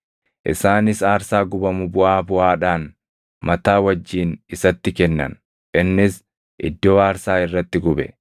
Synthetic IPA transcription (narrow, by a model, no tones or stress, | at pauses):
ʔɪsaːnɪsaːɾsaːɡʊbɐmʊbʊʔaːbʊʔaːᶑaːn | mɐt̪aːwɐd͡ʒːiːnɪsɐt̪ːɪkɛnːɐ̰n | ʔɪnːɪs | ʔɪ̰d̪ːoːaːɾsaːɪrːɐt̪ːɪɡʊbɛ